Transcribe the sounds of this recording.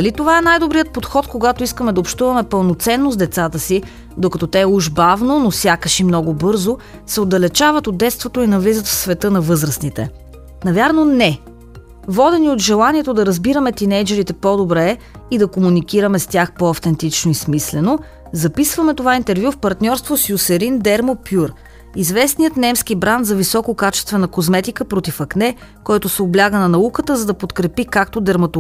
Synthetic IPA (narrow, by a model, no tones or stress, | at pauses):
d̪ɐlit̪ovaɛnajd̪obɾiət̪̚pot̪xɔt̪koɡat̪oiskəmɛd̪ɐopʃt̪uvɐmɛpəlˠnot̪sɛnːozd̪ɛt̪sat̪əsi | d̪okɐt̪ɔt̪ɛːuʒbavnonosʲjakəʃimnɔɡʊbɤɾzosɛod̪ːɐlɛt͡ʃavət̪od̪ːɛt̪st̪vot̪oinɐvlizət̪fsvɛt̪ɤnɐvɤzɾəsnit̪ɛ̰ | nɐvʲjaɾnonɛ | vɔd̪ɛniod̪ʒɛlˠaniɛt̪od̪ɐɾɐzbiɾəmɛt̪inɛjd͡ʒɛɾit̪ɛpɔd̪obɾɛ | id̪ɐkomunik̟iɾəmɛst̪ʲaxpoɐft̪ɛnt̪it͡ʃnoismislɛno | zɐpisvɐmɛt̪ovaint̪ɛɾvjufpɐɾt̪nʲɔɾst̪vosjusɛɾind̪ɛɾmopjuɾ | izvɛsnijət̪nɛmskibɾanzɐvisɔkokat͡ʃɛ̥st̪vɛnəkozmɛt̪ikəpɾot̪ifɐknɛ | kɔjt̪ʊsɛoblʲaɡənɐnɐukət̪əzɐd̪ɐpot̪kɾɛpikakt̪od̪ɛɾmɐt̪o